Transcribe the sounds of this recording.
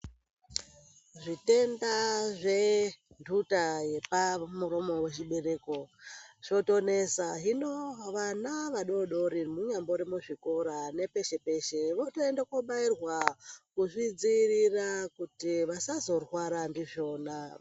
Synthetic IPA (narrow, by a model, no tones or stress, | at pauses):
ʐite̞ndaʐe̞ | ndutaje̞pamuɾo̞mo̞we̞t͡ʃiɓe̞re̞ːko̞ʃo̞to̞ne̞saɦinoʋanaʋaɗo̞ɗo̞ɾimuɲambo̞ɾemuʐiko̞ɾane̞pe̞ʃe̞pe̞ʃe̞ʋotoendakoɓairwakuʐid͡zirirakutiʋasazo̞rwaɾandiʐo̞ːna